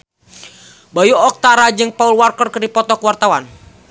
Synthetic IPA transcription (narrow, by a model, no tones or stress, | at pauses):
bajuɔk̚t̪aɾad͡ʒɨŋpaulwarkərkɨrdipɔt̪ɔkwart̪awan